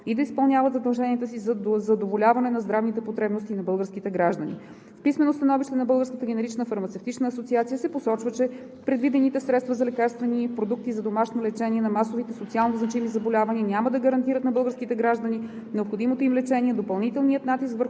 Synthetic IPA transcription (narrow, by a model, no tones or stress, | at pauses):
id̪ɐispɐlˠnʲjavəd̪zɐd̪ɐlˠʒɛniət̪əsizzɐd̪ovolʲavɐnɛnɐzd̪ɾavnit̪ɛpot̪ɾɛbnost̪inɐbɤlˠɡəɾskit̪ɛɡɾaʒd̪ənḭ | fpismɛnost̪ɐnɔviʃt̪ɛnɐbɤlˠɡəɾskət̪əɡʲɛnɛɾit͡ʃnəfɐɾmɐt̪sɛft̪it͡ʃnəːsot̪siat̪sijəsɛposɔt͡ʃvət͡ʃɛ | pɾɛd̪vid̪ɛnit̪ɛsɾɛt̪st̪vɐzɐlɛkaɾst̪vɛnipɾod̪uk̚t̪izɐd̪omaʃnolɛt͡ʃɛniɛnɐmasovit̪ɛsot̪sialˠnoznɐt͡ʃimizɐbolʲavɐniənʲjaməd̪ɐɡəɾɐnt̪iɾət̪nɐbɤlˠɡəɾskit̪ɛɡɾaʒd̪əni | nɛopxod̪imot̪oimlɛt͡ʃɛniɛd̪opɐlˠnit̪ɛlˠniət̪nat̪iskvəɾx